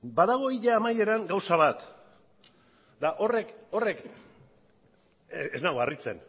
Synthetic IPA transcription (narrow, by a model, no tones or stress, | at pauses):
baðaɣ̞o̞iʎaamaje̞ɾaŋɡawsaβat̪ | d̪aʔo̞re̞ko̞re̞k | eznaɣoarit͡se̞̰n